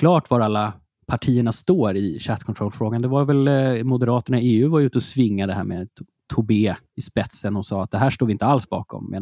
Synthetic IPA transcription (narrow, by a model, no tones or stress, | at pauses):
kʰlɑːʈvaɾalːa | pʰaʈʰiːəɳast̪oːɾɪɕat̪ːkʰɔnt̪ɾɔlːfɾoːɡand̪ɛvaɾvɛlmʊd̪ɛɾɑːt̪əɳaeːʉ̟ːvajʉ̟ːt̪ɔsvɪŋːad̪ɛɦæ̰ːɾme | t̪ʰʊbeː | ɪspɛt̪sənhʊnsɑːat̪̚d̪ɛɦæːʂʈoːɾɪnt̪əalsbɑ̰ːkʰɔ̰mmḛːn